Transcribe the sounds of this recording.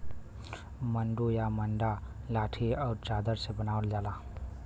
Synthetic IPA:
mənɖujamənɖalaʈʰiawɾt͡ʃad̪əɾsebənawld͡ʒala

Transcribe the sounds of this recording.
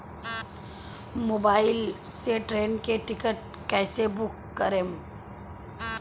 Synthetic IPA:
moːbaːɪl | seʈɾeːnkeʈɪkəʈ̚ | kɛːsebʊkːəɾeːm

